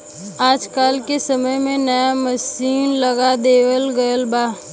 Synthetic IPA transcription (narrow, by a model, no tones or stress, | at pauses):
aːd͡ʒkaːlkesəməjmẽnəjaməsiːnlɐɡad̪eːwəlɡəjəlbaː